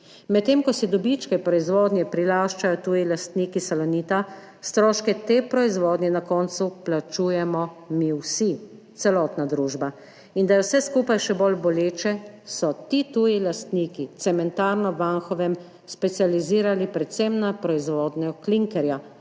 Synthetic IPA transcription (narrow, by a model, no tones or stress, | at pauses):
mɛt̪ːeːmkɔsɛd̪ɔbit͡ʃkɛpɾɔizʋɔːd̪nʲjɛpɾilaːʃt͡ʃajɔt̪uːjilast̪niːkisalɔniːt̪a | st̪ɾɔːʃkɛt̪eːpɾɔizʋɔːd̪nʲjɛnakɔːnt̪suplat͡ʃuːjɛmɔmiwsi | t̪sɛlɔːt̪nad̪ɾuːʒba | ind̪ajɛwsɛskuːpajʃɛbolbɔleːt͡ʃɛsɔt̪it̪uːjilast̪niːkit̪sɛmɛnt̪aːɾnɔʋaŋxɔʋɛm | spɛt̪sijaliziːɾalipɾɛt̪semnapɾɔizʋɔːd̪nɛkliŋkɛɾja